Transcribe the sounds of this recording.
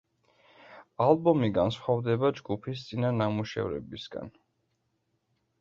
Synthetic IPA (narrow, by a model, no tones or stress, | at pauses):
alˠbɔmiɡansχwavd̪ɛbad͡ʒɡupʰist̪sʼinanamuʃɛ̰vɾɛ̰bisɡa̰n